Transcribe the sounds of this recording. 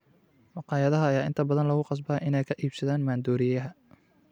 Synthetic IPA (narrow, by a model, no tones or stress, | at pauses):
mɑqɑːjɐðɐɦɐːjaːɪnt̪ʰɐbɐðɐnlɐɣʊqɑs̬bɐːʔɪnɛjkʰɐʔiːb̥sɐðaːnmaːnd̪uːɾɪjɐɦɐ